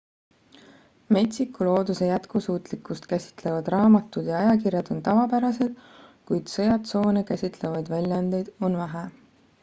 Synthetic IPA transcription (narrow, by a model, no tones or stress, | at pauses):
me̞t̪ʲsikːulo̞ːd̪̥use̞jæt̪kusuːt̪ˑlikːˑust̪kæsʲi̥t̪ˑle̞vɑd̪̥rɑːmɑt̪ːˑud̪̥jɑɑjɑkirjɑd̪̥o̞nt̪ɑvɑpæɾɑse̞d̪̥kujd̪̥sɤjɑt̪so̞ːnekæsʲit̪ˑle̞vɑjd̪̥vælʲjɑnd̪e̞jd̪onvæɦe